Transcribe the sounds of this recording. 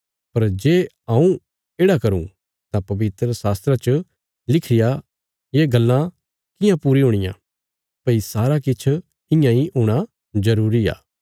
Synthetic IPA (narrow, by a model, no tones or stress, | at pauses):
pɐɾd͡ʒeː | ãːũ | eːɽakɐɾṵ̃ | t̪ãpɐʋɪt̪ɾəsaːst̪ɾat͡ʃə | lɪkʰɪja | jeːɡɐlːã | kɪjãpuːɾiɦʊɽ̃ɪjã̰ː | pɐisaːɾakɪt͡ʃʰ | ɪ̃jãiɦuːɽ̃a | zɐɾuːɾia̰ː